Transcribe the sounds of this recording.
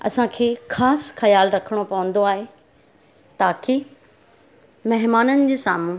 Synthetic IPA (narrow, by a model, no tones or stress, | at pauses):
ɐ̰sãkʰeːxaːsxɐjaːlɾɐkʰəɽ̃opɐʋə̃n̆d̪oaːɦe | t̪aːke | mɐɦɪmaːnənɪ̆d͡ʑeːsa̰ːmũ